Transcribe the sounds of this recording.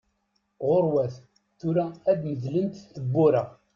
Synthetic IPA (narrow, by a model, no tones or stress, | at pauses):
ʁʊɾwæθ | θʊɾææd̪məðlənt̪θəbːʊɾə